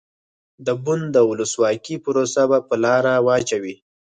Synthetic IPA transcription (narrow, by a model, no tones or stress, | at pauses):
d̪əbʊnd̪əwʊləswɑkipʊɾosabapəlɑɾawɑt͡ʃawi